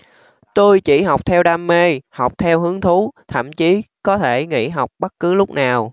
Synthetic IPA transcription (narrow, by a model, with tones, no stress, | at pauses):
t̪o˧jt͡ɕi˧˩ɦa˨˩wk͡p̚t̪ʰɛ˧wɗaː˧mːe˧ha˨˩wk͡p̚t̪ʰɛ˧wɦɨ˨˦əŋt̪ʰu˨˦t̪ʰə̰˧˨mt͡ɕi˨˦kɔ˨˦t̪ʰe˧˩ŋḭ˧˥˨ɦa˨˩wk͡p̚ɓə˦˥t̚kɨ˨˦lʊ˦˥k͡p̚naː˨˩w